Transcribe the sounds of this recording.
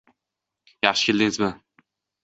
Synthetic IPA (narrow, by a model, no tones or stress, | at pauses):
jɑχʃɪ̥kʲelʲd̪ɪŋzmɪ